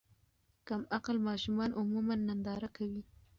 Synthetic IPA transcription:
kamaqalmɑʃumɑnʔʊmumanːand̪ɑɾakawi

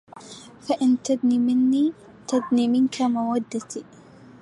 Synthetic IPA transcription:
faʔɪnt̪ad̪nimɪnːiː | t̪ad̪niːmɪnkamawad̪ːat̪iː

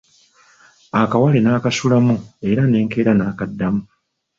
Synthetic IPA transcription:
akawalenaːkasulamue̞ɾane̞ːŋke̞ːɾanaːkadːamu

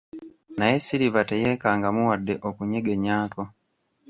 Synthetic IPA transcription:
najesiɾivatejekaːŋɡamuwadːeʔokuɲeɡeɲaːko

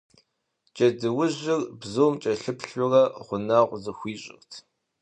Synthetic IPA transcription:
d͡ʒʼɐdɨwʊʑɪrbzoːmt͡ʃʼɐɬɨpɬʊrɐʁʷʊnaʁʷzɨxʷiːɕʼɪ̰rtʰ

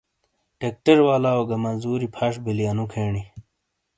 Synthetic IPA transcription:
ʈek̚ʈeɾwaːlaːoɡɐmɐzuːɾipʰaʂbilijɐnukʰeːɳi

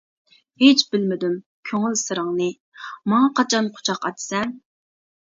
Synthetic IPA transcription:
het͡ʃbɪlmɪd̪ym | kʲʰøŋylsɨɾəŋnɨ | mɑŋɑqʰɑt͡ʃʰɑnqʰʊ̥t͡ʃʰɑqɑ̰t̪ʰsɛn

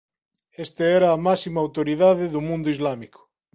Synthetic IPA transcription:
est̪eɛɾaːmasimɐaːwt̪oɾiðaðeðumũnd̪ʊizlamikʊ̥

